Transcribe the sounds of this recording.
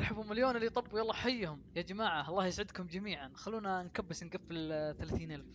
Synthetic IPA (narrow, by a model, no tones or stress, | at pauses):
ɾħabhʊmɪljoːnɪlːit̪ˤɑbːujɑlˤːɑːħajːhʊmjad͡ʒamaːʕaʔɑlˤːɑːhjɪsʕɪd̪kʊmd͡ʒamiːʕanxalːuːnankabːɪsnɡafːɪlθalaːθiːnʔalf